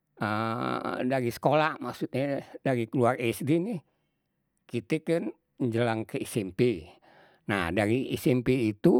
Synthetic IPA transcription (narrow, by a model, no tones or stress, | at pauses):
ə | daɾisə̥kolamaksut̪̚ɲadaɾikəluarɛsdinih | kit̪ɛkɨn | ɲd͡ʒəlaŋkeisɛmpe | na̰hdaɾiḭsɛmpeːt̪u